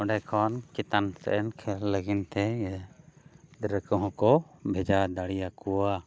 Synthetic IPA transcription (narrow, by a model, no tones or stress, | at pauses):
ɔɖɛkʰɔnkit̪ansɛ̰ʔɛnkʰɛlləɡint̪ɛ | ɾəkɔɦɔ̃kɔbʱɛd͡ʒad̪aɽijakua